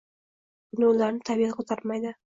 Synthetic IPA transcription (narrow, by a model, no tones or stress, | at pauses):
bʊnɪʊlaɾnɪt̪ʰabijaqʰot̪ʰɑɾmajd̪ɪ